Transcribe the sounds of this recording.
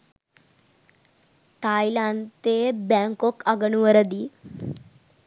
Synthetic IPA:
t̪ajlant̪ebaŋkokaɡənuʋəɾɐd̪i

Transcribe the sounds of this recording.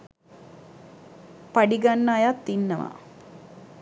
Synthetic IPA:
paɖiɡanːəːjat̪ːinːəʋa̰

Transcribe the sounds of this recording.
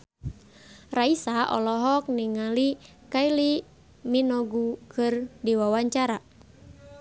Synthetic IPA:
raisaʔɔ̰lɔɦɔk̚niŋali | kaili | minɔɡukʰɨrdiwawaɲt͡ʃaɾa

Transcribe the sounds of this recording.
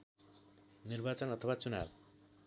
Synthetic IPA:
nirbat͡sʌnʌt̪ʰʌwat͡suna̰b

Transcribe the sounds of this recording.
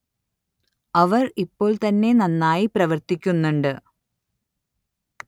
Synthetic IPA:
ɐʋɐripːo̞ːɭt̪ɐnːe̞nɐnːaːjiprɐʋɐrt̪ikʲːunːuɳɖɨ

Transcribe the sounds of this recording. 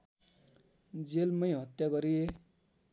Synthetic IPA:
d͡zelmʌjɦʌt̪jaɡʌɾije

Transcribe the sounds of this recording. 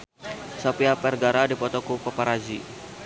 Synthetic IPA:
sapiapɛrɡaɾadipɔt̪ɔkupɔpaɾad͡ʒi

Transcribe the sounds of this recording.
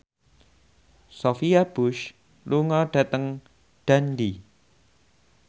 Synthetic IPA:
sofiab̥ʊʃ | luŋɔɖ̥a̤t̪əŋ | d̥andi

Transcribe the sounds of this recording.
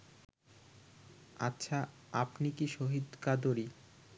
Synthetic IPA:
a̰tːɕʰa | apnikiʃoɦid̪kad̪oɾi

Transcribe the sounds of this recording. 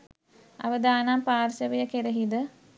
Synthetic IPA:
a̰ʋəd̪aːnampaːrsəʋəjəkeɾəɦid̪ə

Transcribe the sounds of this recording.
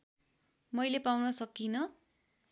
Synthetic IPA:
mʌjlepawnʌsʌkːinʌ

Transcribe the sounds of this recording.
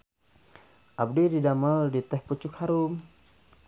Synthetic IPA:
ʔab̚diɾidamaldit̪ɛhput͡ʃʊkhaɾum

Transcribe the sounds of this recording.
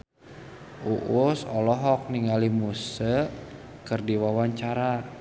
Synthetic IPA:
uʔusɔlɔɦɔk̚niŋalimusə | kərdiwawaɲt͡ʃaɾa

